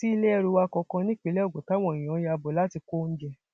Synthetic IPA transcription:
ti˦i˧lɛ˦ɛ˦˧ɾu˧wa˧kɔ̃˧kã˧nĩ˦k͡pi˨˧˦lɛ˦ɔ˦˨ɡ͡bo˨ta˨˦w̃ɔ̃˨ĩ˨ɔ̃˨˦ja˧bɔ˨la˦ti˧ko˦n̩˦d͡ʒɛ˧

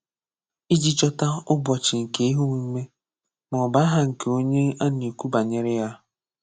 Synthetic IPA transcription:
i˦d͡ʒi˦t͡ʃɔ˦ta˦ʊ˦bʷɔ˨t͡ʃi˨ŋ̩˨ke˨˦i˦ɦu˦ŋʷi˦me˦ | mɔ˨ba˦ɦa˦ŋ̩˨ke˨o˦ɲe˦a˦n˨e˨ku˦ba˨ɲe˦ɾɪ˦ja˦

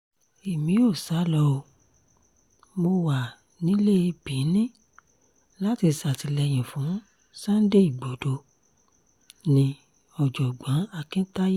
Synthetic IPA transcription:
i˨mĩ˨˦o˦˨sa˨˦lɔ˧o˧ | mo˧wa˨ | nĩ˨˦le˦˧bĩ˨˦nĩ˦ | la˦ti˧sa˨ti˨˧lɛ˧j̃ĩ˨fũ˨˦ | sã˦n̩˦de˦i˦˨ɡ͡bo˨do˧ | nĩ˧ | ɔ˨d͡ʒɔ˨ɡ͡bã˨˦a˧˨kĩ˦ta˦je˦

